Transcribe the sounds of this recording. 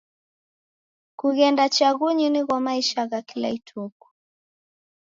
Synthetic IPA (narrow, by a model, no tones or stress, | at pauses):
kuɣɛndat͡ʃaɣuɲiniɣwamaiʃaɣakila̰itʰuku̥